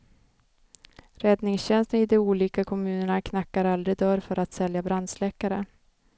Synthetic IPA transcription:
ɾɛd̪nɪŋsɕɛnst̪ənɪd̪ɛuːliːkakʰɔmʉ̟ːnəɳakʰnakːaɾald̪ɾɪd̪œɾfœɾat̪sɛljabɾand̪slɛkːaɾə

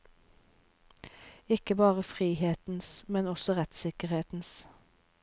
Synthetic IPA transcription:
ɪkəbɑːʁəfʁiːheːt̪n̩smɛnɔsɔʁɛt̪sɪkəʁheːt̪n̩s

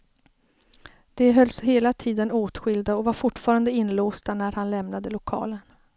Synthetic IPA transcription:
d̪̥ɛɦœlsheːlat̪ʰiːd̪ənoːt̪ɧɪld̪aɔvaɾfʊʈfɑːɾand̪əɪnːloːst̪anæɾhanlɛmnad̪əlʊkʰɑ̰ːlən

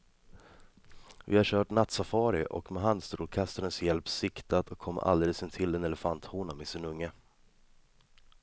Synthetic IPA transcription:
vɪ̰haɕœːʈnat̪safɑːɾɪʔɔ̰kmɛɦand̪st̪ɾuːɾkʰast̪aɾənsjɛlpsɪkt̪at̪ɔkʰːɔmːə̰ʔa̰ld̪eːləsɪnt̪ʰɪld̪ɛnɛlɛfant̪huːnamɛsɪnɵŋːə

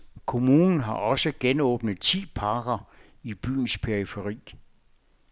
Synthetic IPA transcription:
kʰo̝muːnn̩ɦɑ̈ʔɒ̽səɡ̥enɔ̰̽ːb̥nəð̩ˠt͡sʰḭːpʰɑ̈ːɡɐ | ib̥y̰ːn̩spʰeɐʁifeʁḭː

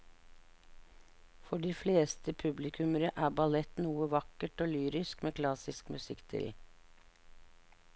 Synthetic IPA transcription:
fɔɖiːfleːst̪ʰəpʰʉblɪkʰʉməɾəʔæːbɑlɛt̪nuːəʋɑkəʈoːlyːɾɪskmeːkʰlɑsɪskmʉsɪkt̪ʰɪ̰l

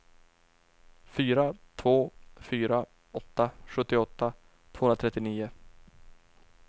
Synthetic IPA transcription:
fyːɾat̪ʰvoːfyːɾa | ɔt̪ːaɧɵt̪ːɪɔt̪ːa | t̪ʰv̥oːɵnɾat̪ʰɛt̪ːɪniːʊ

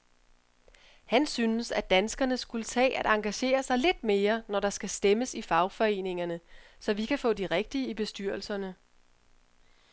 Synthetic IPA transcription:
hænsynəsæd̥ænsɡ̥ɐnəsɡ̥ulət͡sʰɛ̰ːʔæɾ̥ɑ̈ŋɡ̥æɕe̝̰ːɐsɑ̈ɪle̝d̥me̝ːɐnɒɾ̥ɑ̈sɡ̥æsd̥eməsifɑ̈ʊfɒ̽e̝̰ːne̝ŋɐnə | sɒ̽ʋikʰæfɔ̰̽ːd̥iʁɛɡ̥̚d̥iəib̥e̝sd̥yɐ̰l̩sɐnə

